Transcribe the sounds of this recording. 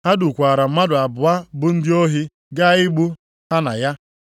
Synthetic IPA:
ha˦du˨kʷaː˨ɾa˨m̩˦ma˦dʊ˨a˨bʊ˨a˦bʊ˦n̩˦dɪ˦o˦ɦi˦ | ɡa˦ɪ˦ɡ͡bu˦ | ɦa˦na˨ja˦

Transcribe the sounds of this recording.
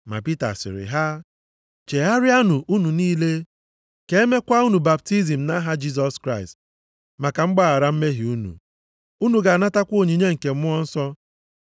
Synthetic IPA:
ma̰˨pi˦ta̰˨sɪ̰˨ɾɪ̰˨ɦa˦ | t͡ʃe˨ɦa˦ɾɪ˦a˦nu˨ʔu˦nu˨niː˦le˦ | ke˦me˦kʷa˦u˦nu˨ba˨p̚ti˦zi˨m̩˨na˦ɦa˦d͡ʒi˦z̬ɔ˨skɾa˦ɪ˨st | ma˨ka˨ŋ͡m̩˦ɡ͡ba˦a˨ɾa˦m̩˦me˦ɦi˨u˦nṵ˨ | u˦nu˨ɡa˨a˨na˦ta˦kʷo˦˨ɲi˨ɲe˦ŋ̩˨ke˨m̩˦ʊ˦ɔ˦n̩˦sɔ˦

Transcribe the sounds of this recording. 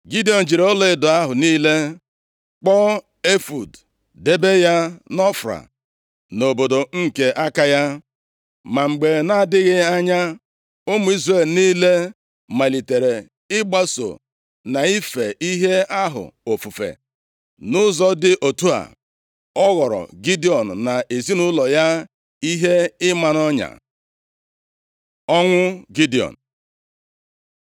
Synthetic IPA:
ɡi˦di˨˦ɔ˨n̩˨d͡ʒi˨ɾe˨˦ɔ˦le˦dʊ˨a˦ɦʊ˨niː˦le˦ | k͡pɔ˦ | e˦fṵ˨d | de˦be˦ja˦nɔ˦fɾa̰˨ | no˨bo˨do˨ŋ̩˦ke˦ʔa˦ka˦ja˦ | ma˨ŋ͡m̩˨ɡ͡be˨na˦dɪ˦ɣɪ˦a˦ɲa˦ | ʊ˦mʊ˨i˦zre˨lniː˦le˦ | ma˨li˨te˨ɾe˨ | ɪ˦ɡ͡ba˦so̰˨ | na˨i˦fe˨ʔi˦ɦe˦a˦ɦʊ̰˨o˨fu˨fḛ˨ | nʊ˦zɔ˦dɪ˦ʔo˨tu˦a̰˨ | ɔ˦ɣɔ˨ɾɔ̰˨ɡi˦di˨ɔ˨n̩˨na˨ʔe˨zi˦nʊ˦lɔ˨ja˦ | i˦ɦe˦ɪ˦ma˨n˦ɔ˦ɲa̰˨ | ɔ˦ŋʷʊ˦ɡi˦di˨ɔ̰˨n̩˨

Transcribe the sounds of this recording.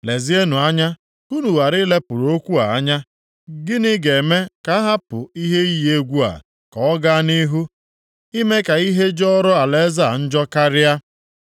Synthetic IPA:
le˨zi˦e˦nu˨a˦ɲa˦ | u˦nu˨wa˨ɾɪ˦le˦pʊ˨ɾo˦kʷu˦a˨a˦ɲa˦ | ɡɪ˦nɪ˦ɡe˨me˦ka˦ɦa˦pʊ̰˨i˦ɦe˦i˦je˦ɡʷu˦a̰˨ | kɔ˨ɔ˦ɡa˦ni˦ɦu˦ | i˦me˦ka˨i˦ɦe˦d͡ʒɔ˦ɾɔ˦a˨le˦za˦˨n̩˦d͡ʒɔ˦ka˦ɾɪ˦a˦

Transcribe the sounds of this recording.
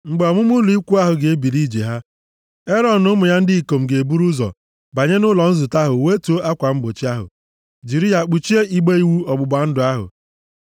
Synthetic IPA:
ŋ͡m̩˨ɡ͡be˨ɔ˨mʊ˦mʊ˦lu˨˦i˦kʷu˦a˦ɦʊ˨ɡe˨e˦bi˨li˦d͡ʒḛ˨ɦa˦ | e˦ɾɔ˨n̩ː˨ʊ˦mʊ˨ja˦n̩˦dɪ˦i˨ko˨m̩˨ɡe˨e˨bu˦ɾu˦zɔ̰˨ | ba˨ɲe˦nʊ˦lɔ˨n̩˦zʊ˨ta˦ɦʊ˨we˦tu˨˦o˦ʔa˦kʷa˨m̩˦ɡ͡bo˨t͡ʃi˦a˦ɦʊ̰˨ | d͡ʒi˨ɾi˦ja˨k͡pu˨t͡ʃi˦e˦i˦ɡ͡be˦i˦wu˦ɔ˨ɡ͡bʊ˨ɡ͡ba˨n̩˦dʊ˨a˦ɦʊ̰˨

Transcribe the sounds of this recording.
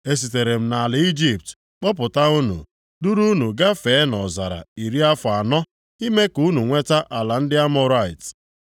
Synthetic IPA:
e˦s̬i˨te˨ɾe˨m̩˨na˨lɪ˨i˦d͡ʒi˨p̚t | k͡pɔ˦pʊ˨ta˦u˦nṵ˨ | du˦ɾu˦nu˨ɡa˦fe˨˦nɔ˨za˨ɾa̰˨i˨ɾi˦a˦fʊ˨a˨nɔ˦ | i˦me˦ku˦nu˨ŋʷe˦ta˦ʔa˨la˨n̩˦dɪ˦a˦mɔ˦ɾa˦˨ɪ˨t

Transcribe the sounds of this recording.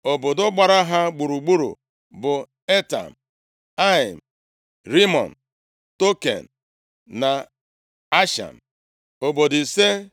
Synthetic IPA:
o˨bo˨dʊ˦ɡ͡ba˨ɾa˦ɦa˦ɡ͡bu˨ɾu˨ɡ͡bu˦ɾṵ˨ | bʊ˨ | e˦ta̰˨m̩˨ | a˦ɪ˨m̩˨ | ɾi˦mɔ̰˨n̩˨ | to˦kḛ˨n̩˨ | na˨ | a˦ʃa̰˨m̩˨ | o˨bo˨di˨se˦

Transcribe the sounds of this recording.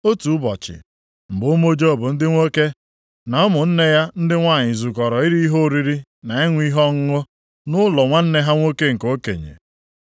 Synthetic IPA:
o˦tu˨ʊ˦bɔ˨t͡ʃɪ̰˨ | m̩˨bʊ˦mo˦d͡ʒo˦˨bʊ˨n̩˦dɪ˦ŋʷo˦ke˦ | na˨ɔ˦mʊ˨n̩˦ne˦ja˦n̩˦dɪ˦ŋʷaː˦˨ɲɪ˨zu˨kɔ˨ɾɔ˨i˦ɾi˦ɦo˦˨ɾi˦ɾi˦ | na˨e˦ŋʷ˦i˦ɦɔ˦ŋ̩˦ŋʊ˦ | nʊ˦lɔ˨ŋʷa˦n̩˦ne˦ɦa˦ŋʷo˦ke˦ŋ̩˨ko˦kḛ˨ɲḛ˨

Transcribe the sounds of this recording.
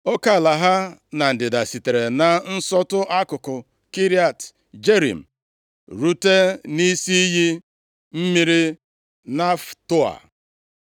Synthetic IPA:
o˦ka˦˨la˨ɦa˦na˨n̩˨dɪ˨da˨si˨te˨ɾe˨na˨n̩˦sɔ˦tʊ˦ʔa˦kʊ˨kʊ˨ | ki˦ɾi˦a˨t | d͡ʒe˦ɾḭ˨m̩˨ | ɾu˦te˦ni˦si˦ɦi˦ | m̩˦mi˦ɾi˦ | na˦ftʊ˦a̰˨

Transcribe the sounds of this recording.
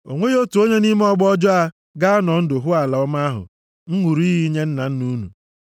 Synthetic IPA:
o˨ŋʷe˦jo˦tu˨o˦ɲe˦ni˦me˦ɔ˦ɡ͡bɔ˦d͡ʒɔ˦a˦ | ɡa˦a˦nɔ˨n̩˦dʊ˨ɦʊ˦a˨la˨ɔ˦ma˦ɦʊ̰˨ | ŋ̩˦ŋʷu˨ɾu˦i˦ɦi˦ɲe˦n̩˦na˨n̩˦nu˦nṵ˨

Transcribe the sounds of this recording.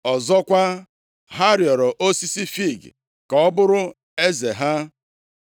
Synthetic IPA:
ɔ˨zɔ˦kʷa˦ | ɦa˦ɾjɔ˨ɾɔ˨ʔo˦si˦si˦fi˦˨ɡ̰ | kɔ˨ɔ˦bʊ˦ɾʊ˦ | e˦ze˨ɦa˦

